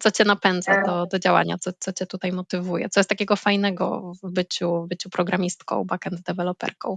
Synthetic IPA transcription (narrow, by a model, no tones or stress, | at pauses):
t̪sɔt͡ɕɛnapɛnd̪zad̪ɔd̪ɔd͡ʑawa̰ɲat̪sɔt̪sɔt͡ɕɛt̪ut̪ajmɔt̪ɘvujɛ̰t̪sɔjɛst̪akʲɛɡɔfajnɛɡɔ̰vbɘt͡ɕuvbɘt͡ɕupɾɔɡɾamʲist̪kɔ̰̃w̃bakɛnd̪zd̪ɛvɛlɔpɛ̰ɾkɔ̃w̃